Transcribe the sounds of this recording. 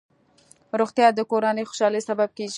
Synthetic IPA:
ɾoɣt̪jɑd̪əkoɾanəjxo̥ʃɑləjsabab̚keʒ

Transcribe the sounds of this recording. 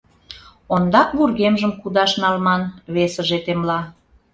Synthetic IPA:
ond̪ɑkβurɣemʒəmkud̪ɑʃnɑlmɑnβesəʒet̪emlɑ

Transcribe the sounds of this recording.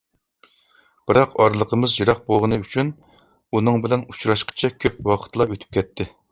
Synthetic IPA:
b̥ɪɾɑqɑɾlˠəqʰəmɨzjɨɾɑq̚bolˠʁənɨyt͡ʃʰyn | unɨŋbɪlɛnu̥t͡ʃɾɑʃqʰə̥t͡ʃʰɛkʲʰøp̚wɑqʰə̥t̪ʰlˠɑøt̪ʰy̥p̚kʲʰɛt̪ʰːɪ

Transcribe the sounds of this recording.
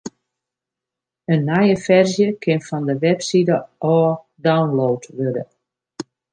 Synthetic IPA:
ənːajəfɛrzjəkʰɪnfɔndəʋɛpsidəʔɔː | dawnlowtʋødə̰

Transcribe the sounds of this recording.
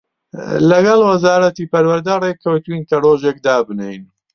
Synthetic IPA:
lɐɡɐlwɐzaːɾɐt̪ipɐɾwɐɾd̪ɐrekʰːɐwt̪winkɐroːʒek̚d̪aːbɨnejn

